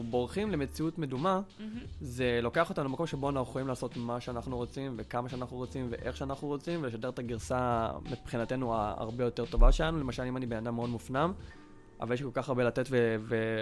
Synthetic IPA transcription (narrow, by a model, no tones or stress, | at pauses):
bo̞ʁχimleme̞t͡siutme̞duma | ze̞lo̞ke̞aχotamlemako̞mʃeboanaχuχojimlaːso̞tmaʃeanaχnuʁo̞t͡simve̞kamaʃeanaχnuʁo̞t͡simvḛʔe̞χʃeanaχnuʁot͡simveleʃade̞ʁet̪aɡiʁsamipχinate̞nuaa̰ʁbe̞jo̞te̞ʁto̞vaʃelanule̞maʃalimanibenadamːeodmufnam | ʔa̰valjʃlikolkaχaʁbelatetveve